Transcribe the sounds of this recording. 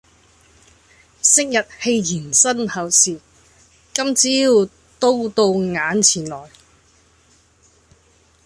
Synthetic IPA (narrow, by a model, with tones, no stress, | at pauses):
sɪ˥k̚jɐ˨t̚he˧jjiː˨˩nsɐ˥nhɐ˨wsiː˨˩ | kɐ˥mt͡siː˨˥ji˨˧w | t̪o˥wt̪o˧wŋaː˨˧˥nt͡sʰiː˨˩nlɔː˨˩j